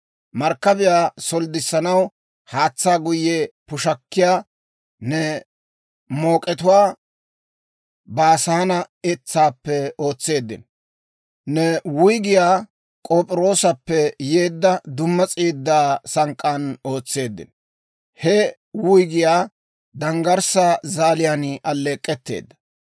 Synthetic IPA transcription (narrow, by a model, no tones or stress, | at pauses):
mɐɾkːɐbɪjaːsɔld̪ɪsːɐnɐw | haːt͡sːaːɡʊjːɛpʊʃɐkːɪjaː | nɛ | mo̞ːkʼɛt̪ʊwaː | baːsaːnɐ | ɛt͡sːaːpːɛo̞ːt͡sːe̞ːd̪ːɪ̰n | nɛwʊjɡɪjaː | kʼoːpʼɪɾo̞ːsɐpːɛjeːd̪ːɐd̪ʊmːɐt͡sʼiːd̪ːaːsɐŋkʼːano̞ːt͡sːe̞ːd̪ːɪ̰n | hɛ | wʊjɡɪjaː | d̪ɐŋɡɐɾsaːzaːlɪjanʔɐlːeːkʼːɛt̪ːe̞̰ːd̪ːɐ̥